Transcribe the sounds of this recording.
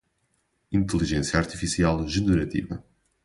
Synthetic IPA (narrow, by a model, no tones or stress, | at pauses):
ĩnt̪ɨlˠiʒẽsjɐaɾt̪ifisialˠʒɨnɨɾɐt̪ḭvɐ̰